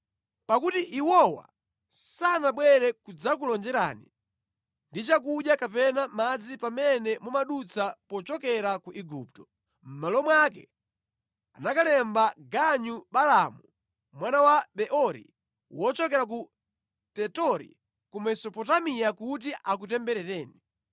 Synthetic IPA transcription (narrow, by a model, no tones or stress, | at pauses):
pakutiʔiwɔwa̰ | sanaɓwɛɾɛkud͡zakulɔnd͡ʒɛɾa̰ːnḭ | ndit͡ʃakuɗjakapɛnamad͡zipamɛnɛmumaɗut͡sapɔt͡ʃɔkɛɾakuʔiɡuptɔ | m̩malɔmwakɛ | anakalɛmbaɡaɲuɓalamu | mwanawaɓɛʔɔɾḭ | wɔt͡ʃɔkɛɾak̬u | tɛtɔɾḭ | kumɛsɔpɔtamijakutiʔak̬utɛmbɛɾɛɾɛːni